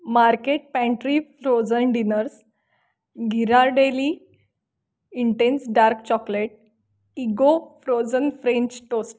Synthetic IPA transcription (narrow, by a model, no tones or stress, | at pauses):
maɾkeʈ̚pɛ̃ɳʈɾifɾod͡zənɖinəɾs | ɡʱiɾaɾɖeli | iɳʈẽnsɖaɾkt͡ɕɔkleʈ̚ | iɡofɾod͡zənfɾẽɲt͡ɕʈosʈ